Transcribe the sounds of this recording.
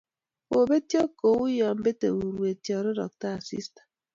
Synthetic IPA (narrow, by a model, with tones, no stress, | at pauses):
o˨be˦ti˦ɔ˦ko˨˦u˦jɔ˨m̩˦be˦tḛ˨u˨ɾu˨e˨tjɔ˨ɾʊ˦ɾɔ̰˨k̚ta˦˨sḭ˦stḁ˨